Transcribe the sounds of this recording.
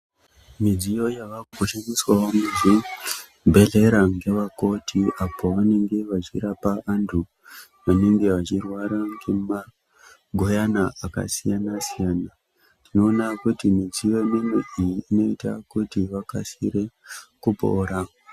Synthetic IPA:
mid͡zijo̞jaʋaoʃaniswaomuzi | bʱe̞ɮe̞ɾaŋɡe̞ʋako̞tʰiapo̞ʋane̞ŋɡe̞ʋat͡ʃiɾapaʔantʰu | ʋane̞ŋɡe̞ʋat͡ʃirwaɾaŋɡe̞ma | ɡʱo̞janaaka̰sijanasijaːna | tino̞ːnakutimid͡zijo̞jemimiʔijiːno̞ita̰kutiʋaka̰siɾe̞kupo̰ːɾa

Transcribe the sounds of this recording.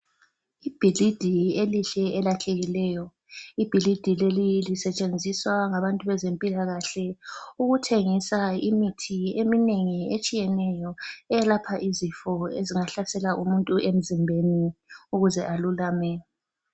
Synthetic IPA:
ib̥ʱilid̥ʱieliɬɛɛlatʰeɣilɛjɔ | ib̥ʱilid̥ʱilelilisɛt͡ʃʼend͡zʱiswaŋaβantʼuβɛzempʼilaɣaɬɛuɣutʰeŋisaimitʰiemineŋiet͡ʃʼijɛnɛjɔɛɛlapʰaʔizifɔeziŋaɬasɛlaʔumuntʼuʔem̩zimbʱeniuɣuzɛʔalulaːmɛ

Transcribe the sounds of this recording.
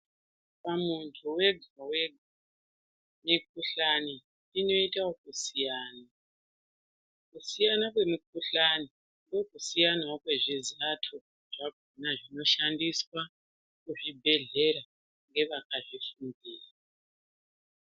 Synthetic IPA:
pamuntʰuwe̞ɡʱaweɡʱa | mik̚uɬaniː | no̞itawokusijaːna | kusijanakwe̞mik̚uɬani | ŋɡo̞kusijanawokwe̞ʐizatʰo | ʐ̥aɡ̥ʱonaʐino̞ʃandiswa | kuʐibʱe̞ɮeɾa | ŋɡe̞ʋakaʐifundiːra

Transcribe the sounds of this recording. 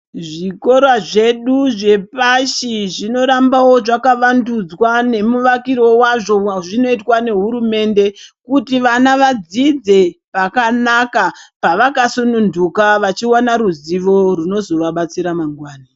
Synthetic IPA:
ʐiko̞ɾwaʐe̞ɗuʐe̞paʃiʐino̞ɾambawo̞ʐakaʋandud͡zwane̞muʋakiɾo̞waʐo̞ʐino̞itwane̞ɦuɾume̞nde̞kutiʋanaʋad͡zid͡ze̞pakanakapaʋakasunundukaʋat͡ʃiwanaɾuziʋo̞runo̞zo̞rwaɓat͡siɾamaŋɡwaːna

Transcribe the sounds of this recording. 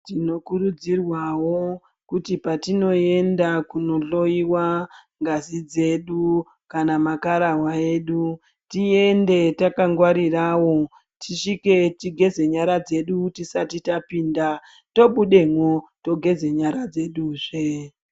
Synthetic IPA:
tino̞kuɾud͡zirwawo | kutipatino̞e̞ndakuno̞ɮo̞iwa | ŋɡazid͡ze̞ɗu | kanamakaɾawae̞ːɗu | tie̞nde̞takaŋɡwaɾirawo̞ | tʰiʃike̞tiɡʱe̞ze̞ɲaɾad͡ze̞ɗutisatitapiːnda | to̞ɓuɗe̞mwoto̞ɡʱe̞ze̞ɲaɾad͡ze̞ɗuːʐe

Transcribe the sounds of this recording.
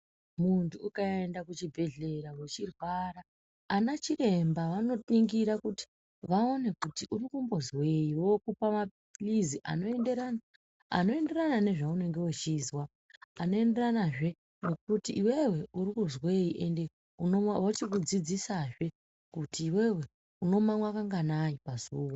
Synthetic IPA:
muntuːkaendakut͡ʃibʱe̞ɮe̞ɾawet͡ʃirwara | anat͡ʃire̞mbaʋano̞niŋɡiɾakuti̥ | ʋao̞ne̞kutiʔuɾikumbo̞zwe̞jiwo̞kupama | liziʔa̰no̞e̞ndeɾana | a̰no̞e̞nde̞ɾanane̞ʐaune̞ŋɡe̞wot͡ʃizwa | ano̞e̞nde̞ranaʐe̞ | no̞k̚utiʔːwe̞we̞uɾikuzwe̞jiʔe̞nde̞ | unoawot͡ʃikud͡zid͡zisaʐe̞ | kutiːwe̞we̞ | uno̞mamwakaŋɡanaipazuːwa

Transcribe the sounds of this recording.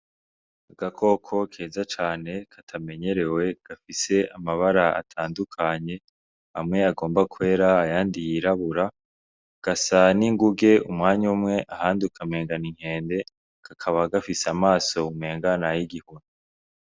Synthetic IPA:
aɡakʰo̞kʰo̞kʰeːzat͡ʃaːne̞kʰatʰame̞ɲe̞ɾe̞we̞ɡ̥afise̞ʔamaβaɾaa̰tʰaːndukʰaɲe̞ | ha̰mŋe̞aɡo̞ːmbakwe̞ːɾaːjaːndijiɾaβuɾa | ɡ̥asaniŋɡuɡe̞umŋaːɲumŋe̞ʔahaːndiukʰame̞ːŋɡaniŋ̥he̞ːnde̞ | ɡ̥akʰaβaɡafisamaːso̞umŋeːŋɡanajiɡihunu

